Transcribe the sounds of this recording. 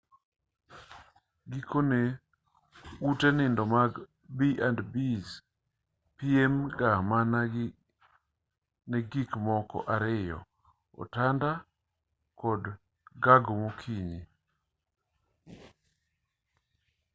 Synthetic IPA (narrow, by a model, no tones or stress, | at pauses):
ɡikʰone | utɛnɪndɔmaɡ | biʔandbiz | piemɡaman | nɛɡikmɔkɔ̰ʔaɾɪjɔ̰ | ɔ̰tanda | kɔd | ɡaɡomokʰiɲi